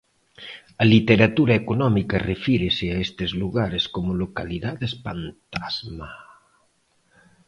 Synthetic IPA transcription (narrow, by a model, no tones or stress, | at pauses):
ɐlit̪eɾat̪uɾaekonɔmikarefiɾeseaest̪ezluɣaɾeskomolokaliðaðespant̪azma